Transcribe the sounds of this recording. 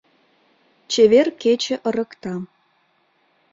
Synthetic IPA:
t͡ɕeβerket͡ɕĕʔəɾə̆kt̪ɑ

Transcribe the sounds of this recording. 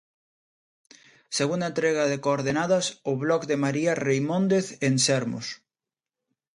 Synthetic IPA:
seɣunaent̪ɾeɣaðekooɾðenaðasoβlɔkd̪emaɾiarejmõnd̪eθensɛɾmo̰s

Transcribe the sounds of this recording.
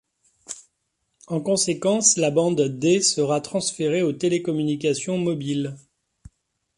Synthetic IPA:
ɑ̃kɔ̃sekɑ̃slabɑ̃d̪d̪esəʁat̪χɑ̃sfeʁeot̪elekɔmynikʲasjɔ̃mɔbil

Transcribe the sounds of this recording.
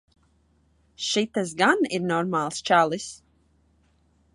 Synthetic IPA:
ʃit̪as̬ɡaniɾnɔɾmaːlˠst͡ʃalˠis

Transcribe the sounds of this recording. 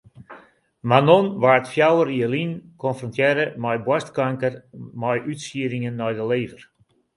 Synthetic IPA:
manɔnʋartfjawəriəlinkɔnfrɔntjɛɾəmajbwastkaŋkərmɔjʔytsiəɾiŋənːɔjdəleːvər

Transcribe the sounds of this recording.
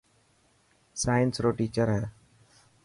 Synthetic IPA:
saːjənsɾoːʈiːt͡ʃəɾɦɛː

